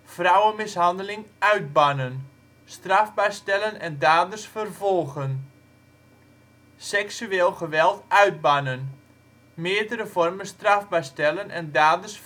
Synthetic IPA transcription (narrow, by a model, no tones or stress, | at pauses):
frawənmɪsɦɑndəlɪŋœɥd̚banən | strafbɛjstɛlənɛndaːdəsfərvɔlˠɣən | sɛksyeːlˠɣəʋɛlˠtʔœɥd̚banən | mɪədəɾəvɔrmənstrafbɛjstɛlˠənʔɛndaːdərs